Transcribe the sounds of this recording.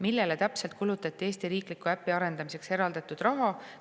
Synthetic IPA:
milːe̞let̪æpse̞lt̪̚kulut̪ːˑɑt̪ˑːie̞ːst̪iɾiːklikuæpːiɑɾe̞nd̪̥ɑmise̞kse̞ɾɑld̪ɑt̪ːˑud̪̥rɑɦɑ

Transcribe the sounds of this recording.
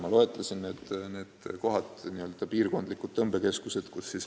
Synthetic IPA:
mɑlo̞e̞t̪ˑlɑsinːeːd̪̥ne̞ːd̪̥ko̞ɦɑd̪niø̞ld̪ɑpiːrko̞nd̪likːud̪̚ɤmbe̞ke̞skuse̞d̪̥kusːis

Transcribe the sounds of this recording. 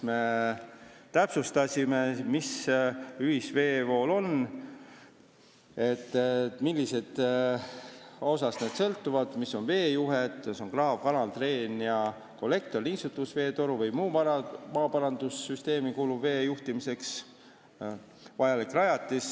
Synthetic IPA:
me | t̪æpsust̪ɑsʲime̞mis | yhisve̞ːvo̞ːlo̞n | e̞t̪ˑːt̪ːˑmilʲːise̞d̪̥ | o̞sɑsne̞ːd̪̥sɤlt̪ːuvɑd̪̥misːo̞nve̞ːjuɦet̪ˑso̞ŋkrɑɦvkɑnɑlt̪re̞ːnjɑ | ko̞lːe̞k̚t̪o̞rnisut̪ːˑusve̞ːt̪o̞ɾuvɤjmuːpɑmɑːpɑɾɑnd̪̥usːyst̪e̞ːmikuːlubve̞ːjuht̪imise̞ks | vɑjɑlikrɑjɑt̪ːˑis

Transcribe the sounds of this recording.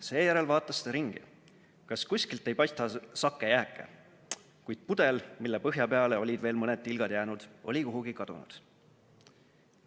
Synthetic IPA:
se̞ːjæɾe̞lvɑːt̪ːˑɑsːt̪eɾiŋɡ̥ḭ | kɑskusʲkilt̪ːˑe̞jpɑjst̪ɑsɑkːejæːkːˑḛ | kujd̪̥̚pud̪e̞lmilːepɤɦjɑpeɑle̞o̞lʲid̪ve̞ːlmɤnet̪ˑːilɡ̥ɑd̪̥jæːnud̪̥o̞̰lʲikuɦuɡ̥ikɑd̪̥ṵnṵd̪̥

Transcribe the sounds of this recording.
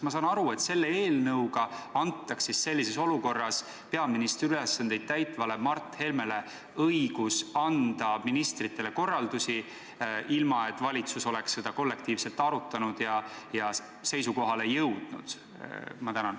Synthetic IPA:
mɑsɑːnɑɾue̞t̪se̞lːee̞ːlnɤwɡɑɑnt̪ːˑɑksisːe̞lʲːiseso̞luko̞rːɑs | pe̞ɑminist̪ryle̞sːɑnd̪̥e̞jd̪̥̚t̪æjt̪ˑvɑle̞mɑrt̪ːˑhe̞lme̞le̞ | ɤjɡ̥usɑnd̪̥ɑminist̪rit̪ːˑe̞le̞ko̞rːɑld̪usʲi | ʔilmɑe̞t̪ːˑvɑlʲit̪suso̞le̞ksːe̞d̪̥ɑko̞lːe̞kt̪iːvse̞lt̪ːˑɑɾut̪ːˑɑnud̪̥jɑjɑ | se̞jsuko̞ɦɑle̞jɤwd̪̥nṵd̪̥̰ | mɑt̪ænɑn

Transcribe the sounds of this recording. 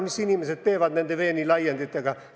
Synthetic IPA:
misinimeset̪t̪eːʋæt̪nænd̪eʋeːnilɑjend̪et̪ːɑkɑ

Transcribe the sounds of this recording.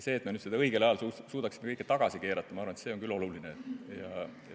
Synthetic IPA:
se̞ːt̪menyd̪sed̪ɑɤjɡ̥e̞lɑjɑlsusuːd̪ɑksi̥mekɤjkːet̪ɑɡ̥ɑsike̞ːɾɑt̪ːˑɑmɑɑːrvɑnet̪se̞ːo̞ŋkylːo̞lulinejɑ̰

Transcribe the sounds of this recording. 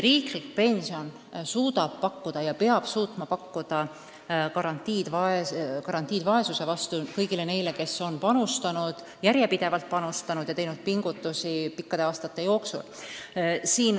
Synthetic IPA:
riːklikpe̞nʲsio̞n | suːd̪ɑb̥̚pɑkːud̪̥ɑjɑpeɑb̥suːt̪mɑpɑkːud̪̥ɑ | kɑɾɑnt̪ːiːd̪vɑekɑɾɑnt̪ʲːˑiːd̪vɑe̞suse̞vɑst̪ukɤ̞jɡ̥ile̞ne̞jle̞ke̞sːo̞npɑnust̪ɑnud̪̥ | jæɾje̞pid̪e̞vɑlt̪̚pɑnust̪ɑnud̪̥jɑt̪e̞jnud̪̥̚piŋɡ̥ut̪ːˑusipikːɑd̪̥e̞ɑːst̪ɑt̪ːˑe̞jo̞ːksṵl | siːn

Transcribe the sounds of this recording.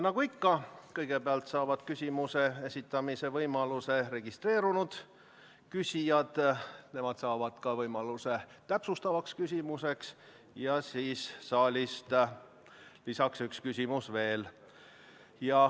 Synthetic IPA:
nɑɡ̥uikːɑkɤjɡ̥e̞beɑlt̪sɑːvɑd̪̥kysʲimuse̞e̞sʲit̪ːˑɑmise̞vɤjmɑluse̞re̞ɡ̥ist̪re̞ːɾunud̪̥ | kysʲijɑd̪̥ne̞mɑd̪̥sɑːvɑd̪̥kɑvɤjmɑluse̞t̪æpsust̪ɑvɑkskys̬ʲimuse̞ks | jɑsiːsːɑːlʲist̪ | lisɑksykskysʲimusve̞ːl | jɑ

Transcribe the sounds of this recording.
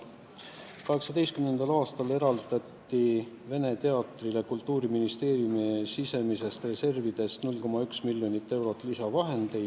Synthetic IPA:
kɑɦe̞ksɑd̪e̞jst̪kymne̞nd̪ɑlɑːst̪ɑle̞ɾɑld̪ɑt̪ːi | ve̞ne̞t̪e̞ɑt̪ˑrile̞kult̪ːˑuːɾiminist̪e̞ːɾjumisise̞mise̞st̪re̞se̞rvid̪e̞st̪nulːko̞mɑyksmilːjo̞nit̪ːe̞wɾo̞t̪ːˑlisɑvɑɦe̞nd̪̥e̞jd̪̥

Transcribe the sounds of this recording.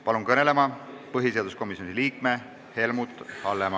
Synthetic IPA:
pɑlunkɤne̞le̞mɑpɤɦise̞ɑd̪usko̞misjonʲiliːkme̞ | he̞lmut̪ˑːhɑlːemɑ

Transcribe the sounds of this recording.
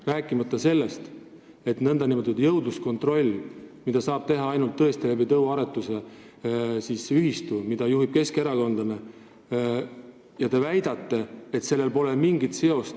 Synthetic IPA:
ræːkːˑimɑt̪ːɑse̞lːe̞st̪ | e̞t̪nɤnd̪ɑnimət̪ːud̪̥jɤwd̪lusko̞nt̪ˑro̞lʲːmid̪̥ɑsɑːb̥t̪e̞ɦɑɑjnult̪ːɤ̞e̞st̪ilebit̪ɤwɑɾe̞t̪ːˑuse̞ | siːsyɦist̪umid̪̥ɑjuɦib̥ke̞ske̞ɾɑko̞nd̪̥ɑne | jɑt̪e̞væjd̪ɑt̪ːe̞et̪se̞lːe̞lpo̞le̞lmiŋɡit̪se̞o̞st̪

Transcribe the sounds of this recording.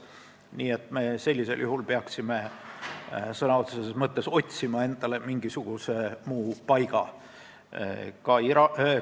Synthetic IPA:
niːe̞t̪ˑme̞se̞lʲːise̞̰ljuɦulpeɑksime̞ | sɤnɑot̪sesesmɤt̪ːe̞so̞t̪ʲsimɑe̞nd̪̥ɑle̞miŋɡ̥isuɡ̥usemuːpɑjɡ̥ɑ | kɑiɾɑ

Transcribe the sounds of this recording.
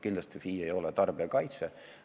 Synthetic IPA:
kind̪lɑst̪ifiːejo̞lɛt̪ɑrb̥eɑkɑjt̪se

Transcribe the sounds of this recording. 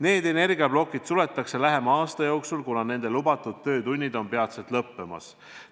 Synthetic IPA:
ne̞ːd̪e̞ne̞rɡiɑblo̞kːˑid̪̥sule̞t̪ːˑɑkse̞læɦe̞mɑɑːst̪ɑjo̞ːksulkunɑne̞nd̪̥e̞lubɑt̪ːˑud̪̥̚t̪ːø̞ːt̪unʲːid̪̥o̞npe̞ɑt̪set̪lɤpːe̞mɑ̰s

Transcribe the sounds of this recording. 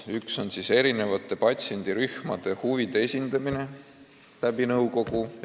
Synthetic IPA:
ykso̞nsiːse̞ɾine̞vɑt̪ːˑe̞pɑt̪ʲse̞nʲd̪̥iɾyhmɑd̪̥e̞huvid̪̥eesʲind̪̥ɑmine̞ | læb̥inɤwko̞ɡu

